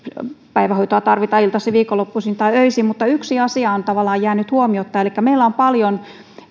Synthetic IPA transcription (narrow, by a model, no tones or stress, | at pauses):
pæiʋæhoit̪oɑt̪ɑrʋit̪ɑilt̪ɑsiʋiːkolːopːusint̪ɑiøisimmut̪ːɑyksiɑsiɑont̪ɑʋɑlːˑɑːjæːnyt̪huomiot̪ːɑelikːæmeilːæompɑljon